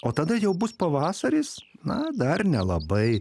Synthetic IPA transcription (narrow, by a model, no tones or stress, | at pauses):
oːt̪ɐd̪ɐjɛʊbʊspɐʋɑːsɐɾʲiːsnɐd̪ɐrnʲɛlˠɐbɐɪ